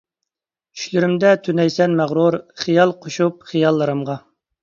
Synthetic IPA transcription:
y̥ʃlyɾymd̪ɛt̪ʰynɛjsɛnmæʁɾuɾχijɑlˠqʰoʃup̚χijɑlˠːəɾɨmʁɑ

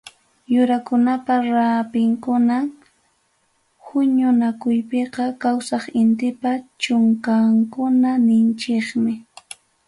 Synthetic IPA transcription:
jʊɾakʊnapaɾapɪŋkʊna | hʊɲʊnakʊjpeqɑkawsɑχɪnt̪ɪpat͡ʃʊŋkaŋkʊnanɪnt͡ʃeχmɪ

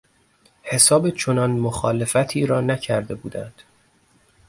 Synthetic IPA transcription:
he̞sɒːbet͡ʃʰo̞nɒnmoxɒːle̞fæt̪ʰiːɾɒːnæcʰæɾd̪e̞buːd̪ænd̪̥

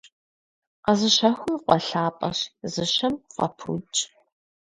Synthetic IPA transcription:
qɐzɨɕɐxʷʊmqʷɔɬaːpʼɐɕzɨɕɐmqɐ̰pʰṵt͡ʃʼ

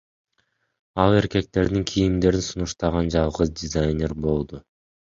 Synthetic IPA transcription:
ɑlˠe̞ɾke̞k̚t̪e̞ɾd̪iŋkʰijimd̪e̞ɾinsunuʃt̪ɑʁɑnd͡ʒɑlˠʁɯzdʲɪzajnʲerbo̞lˠd̪u

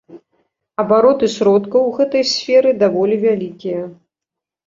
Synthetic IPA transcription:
ɐbaɾɔt̪ɨsʲɾɔt̪kɐwɣɛt̪ɐjsʲfʲɛɾɨd̪avɔlʲivʲalʲikʲijɐ

